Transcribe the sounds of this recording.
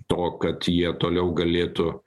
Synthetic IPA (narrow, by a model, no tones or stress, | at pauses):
t̪oːkɐt̪jiɛt̪oːlʲɛʊɡɐlʲeːt̪ʊ